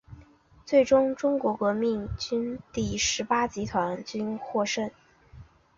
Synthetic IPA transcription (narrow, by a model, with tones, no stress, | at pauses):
t͡swe˥˩ɪʈ͡ʂʊ˥ŋʈ͡ʂʊ˥ŋkwɔ˧˥kɤ˧˥mi˥˩ŋt͡ɕy˥nt̪i˥˩ʂɻ̩˧˥pa˥t͡ɕi˧˥t̪ʰwa˧˥nt͡ɕy˥nxwɔ˥˧ʂə˥˩n